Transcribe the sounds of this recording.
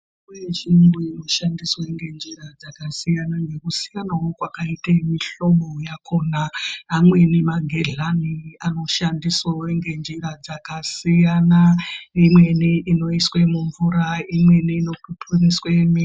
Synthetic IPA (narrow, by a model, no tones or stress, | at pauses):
weʒinuino̞ʃandisweŋɡe̞nd͡ʒiɾad͡zakasijanaŋɡe̞kusi̥janawokwakaitamiɬo̞mo̞jakʰo̞naːmwe̞nimaɡʱeɮaniano̞ʃandiswaŋɡe̞nd͡ʒiɾad͡zakasijanaimwe̞niino̞iswe̞muɱvuɾaimwe̞niːno̞pupuniswemi